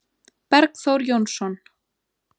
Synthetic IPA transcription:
paɾksoɾjonʃon

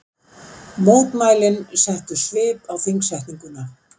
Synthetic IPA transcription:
moːwt̪maːjlɪnsɛht̪ʏsvɪːpawfiŋsɛjht̪niŋkʏna

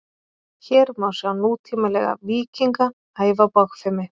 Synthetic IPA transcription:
çɛːɾmaːwsɛðanːuːt̪ʰiːmalɛɣa̰viːciŋka | aːjvapaxfɛmɪ

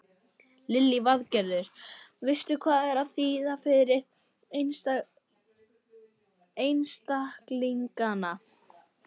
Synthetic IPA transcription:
lɪlːivaðcɛɾðʏɾ̥vɪst̪ʏkʰvaːðɛɾaðθiːðafɪɾɪɾ | n | ejnst̪ahkliŋkana

